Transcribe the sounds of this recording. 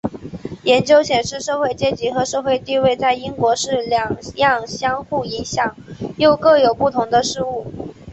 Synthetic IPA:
jɛ˧˥nt͡ɕjo˥ʊɕjɛ˨˩nʂɻ̩˥˧ʂɤ˥˧xwe˥˩ɪt͡ɕjɛ˥˩t͡ɕi˧˥xɤ˧˥ʂɤ˥˧xwe˥˧ɪt̪i˥˧we˥˧ɪt͡sa˥˩ɪi˥ŋkwɔ˧˥ʂɻ̩˥˩ljɑ˨˩ŋjɑ˥˩ŋɕjɑ˥ŋxu˥˩i˧˥ŋɕjɑ˨˩˦ŋjo˥˧ʊkɤ˥˩jo˨˩ʊpu˥˩t̪ʰʊ˧˥ŋd̪ə˧ʂɻ̩˥˧u˥˩

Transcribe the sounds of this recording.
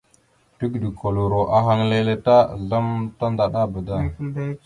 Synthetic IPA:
tu˦ɡdi˨kʰo˨lu˨ɾo˨ʔa˨ɦa˦ŋle˦le˦ta˦˨ɮa˦mta˦nda˨ɗa˦bə˨da˦˨

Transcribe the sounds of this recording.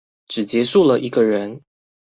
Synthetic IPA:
ʈ͡ʂɻ̩˨˩t͡ɕjɛ˧˥ʂu˥˩lə˨ʔi˧˥ɡə˧ɻə˧˦n

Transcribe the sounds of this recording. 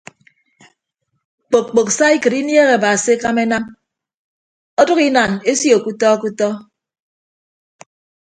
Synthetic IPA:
k͡po˨k̚k͡po˨ksa˦i˦kɨ˨ɾi˦nje˦ɣe˨ba˨si˦e˦ka˦me˦na˦m | ɔ˦du˦ki˦na˨ne˦sjo˨ku˦tɔ˦ku˦tɔ˦

